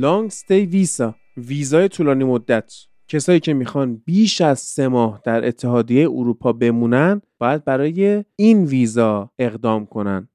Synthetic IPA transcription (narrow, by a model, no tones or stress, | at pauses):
lɒŋɡst̪ejviːsɒ | viːzɒːje̞t̪ʰuːlɒːniːmod̪ːæt̪ʰ | cʰe̞sɒːjiːcʰe̞mixɒnbiːʃæzse̞mɒːhd̪̥æɾʔe̞̰t̪ʰːe̞ɦɒːd̪ijejeʔuɾuːpʰɒːbe̞muːnænd̪bɒːjæd̪̚bæɾɒːjeinviːzɒːe̞ɣd̪ɒːmkʰo̞næ̰nd̪̥